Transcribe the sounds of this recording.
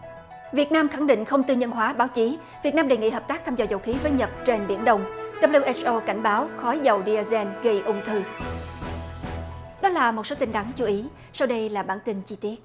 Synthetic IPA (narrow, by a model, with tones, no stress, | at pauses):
vi˨˩ət̚naː˧mxa˧˩ŋɗḭ̈˧˨ŋ̟xə˧wŋ͡mt̪ɨ˧ɲə˧nɦwaː˨˦ɓaː˨˦wt͡ɕi˨˦ | vi˨˩ət̚naː˧mɗe˨˩jŋḭ˧˨ɦəː˨˩p̚t̪aː˦˥k̚t̪ʰaː˧mzɔː˧˩zə˨˩wxi˨˦vəː˨˦jɲə˨˩t̚t͡ɕe˧nɓi˧˩ənɗə˧wŋ͡mɗə˨˩p̚li˧ʔɛ˦˥t͡ɕʔo˧ka˧˩jŋ̟ɓaː˨˦wxɔ˨˦jzə˨˩wɗi˧zɛ˧nɣə˧jʔʊ˧ŋ͡mt̪ʰɨ˧˩ | ɗɔ˨˦laː˨˩mo˨˩t̚so˨˦t̪i˧ŋ̟ɗ̪a˨˦ŋt͡ɕu˨˦ʔi˨˦ | sa˧wɗə˧jlaː˨˩ɓaː˧˩nt̪ï˧nt͡ɕi˧t̪i˦˥ət̚